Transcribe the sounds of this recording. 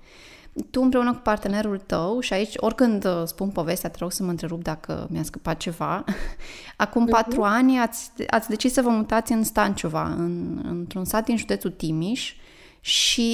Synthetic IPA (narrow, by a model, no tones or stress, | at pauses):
t̪uɨmpɾe̞unəku̥part̪e̞ne̞ɾult̪əwʃiait͡ʃʲo̞rʲkɨnd̪spunpo̞ve̞st̪eat̪eɾoɡsəməɨnt̪ɾe̞ɾup̚d̪akʰə̰mʲjaskəpat̪̚t͡ʃe̞va | akumpat̪ɾuanʲat̪sʲa̰t̪sʲd̪e̞t͡ʃissəvəmut̪at̪sʲɨnst̪ant͡ʃova̰ɨnɨ̰nt̪ɾunsat̪̚d̪inʒud̪e̞t̪sut̪imiʃ | ʃi